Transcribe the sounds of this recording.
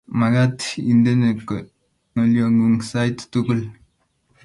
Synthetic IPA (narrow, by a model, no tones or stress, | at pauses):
maɡatindenek | ŋoljoŋɡuŋsajttuɡul